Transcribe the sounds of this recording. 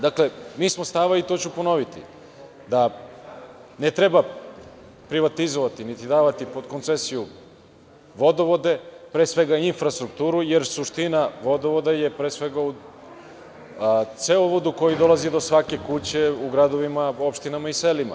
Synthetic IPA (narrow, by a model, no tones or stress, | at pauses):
d̪akle̞miːsmo̞st̪aʋait̪o̞ːt͡ɕupo̞no̞ʋit̪ḭ | d̪a | net̪ɾeba | pɾiʋat̪izoʋat̪init̪id̪aːʋat̪ipo̞d̪kont̪se̞siju | ʋo̞d̪oʋo̞d̪e̞pɾe̞ːsʋe̞ɡainfɾast̪ɾukt̪uːɾuje̞ɾsuʃt̪inaʋo̞d̪oʋod̪aje̞pɾeːsʋe̞ɡau | t̪seoʋod̪uko̞jid̪o̞lˠazid̪o̞sʋake̞kut͡ɕe̞uɡɾad̪o̞ʋimao̞pʃt̪inamaiselima̰